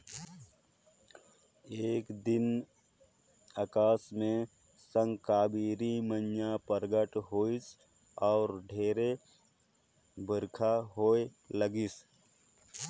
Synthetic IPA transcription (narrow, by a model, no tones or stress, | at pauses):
eːkd̪ɪn | akaːsmẽ | sə̃ŋkaːbiːɾimənjapəɾɡəʈɦoːis | ɔːɾɖʱeːɾe | bʱəɾkʰaɦoːe | ləɡɪs